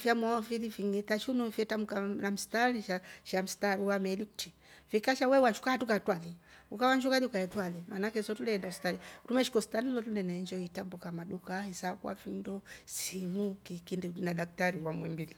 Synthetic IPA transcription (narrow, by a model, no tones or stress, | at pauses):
fjamwɔɔfilifiŋitaʃunufɛtamukanam̩staliʃaʃam̩staɾiwamɛliti | fikaʃawɛwaʃu̥kaatukatwaliukawaɲd͡ʒukaliukaɛtwalimanakɛsɔtulɛɛndam̩stalitumɛʃi̥kɔsi̥talilɔtulɛnaɛnd͡ʒɔitambukamaɗukaisakwa̰findɔsimukikindinadak̚taɾiwamwɛmbili